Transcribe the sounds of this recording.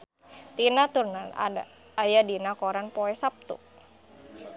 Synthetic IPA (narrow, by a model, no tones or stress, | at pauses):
t̪inat̪urnana̰da̰ | ajadinakɔɾanpɔɛsap̚t̪ṵ